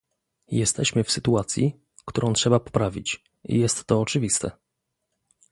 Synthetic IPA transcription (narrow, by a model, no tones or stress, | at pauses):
jɛst̪ɛɕmɘfsɘt̪uat̪sʲjḭ | kt̪uɾɔ̃w̃tʂɛbapɔ̥pɾavʲḭt͡ɕ | ḭjɛst̪ːɔːt͡ʂɘvʲist̪ɛ̰